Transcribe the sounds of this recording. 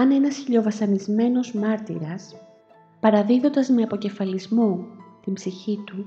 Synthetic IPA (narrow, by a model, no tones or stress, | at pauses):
ɐne̞nɐsçiʎo̞vɐsɐnizme̞no̞zmɐɾt̪ḭɾɐs | pɐɾɐðiðo̞nd̪ɐzme̞ɐpo̞ce̞fɐlizmot̪imbziçit̪u